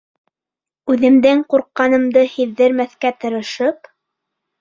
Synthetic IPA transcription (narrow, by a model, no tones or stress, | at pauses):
ʉðɘ̆md̪ɘŋquɾqːɑnɤ̆md̪ɤhiðːɘɾmæθkæt̪ɤ̆ɾɤ̆ʃɤp